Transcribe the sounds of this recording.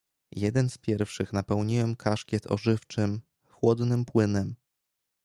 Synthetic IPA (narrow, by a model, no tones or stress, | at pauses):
jɛd̪ɛnspʲjɛɾfʂɘxnapɛwɲiwɛmkʰaʂkʲjɛt̪ʰɔ̰ʐɘft͡ʂɘm | xwɔd̪nɘmpwɘnɛm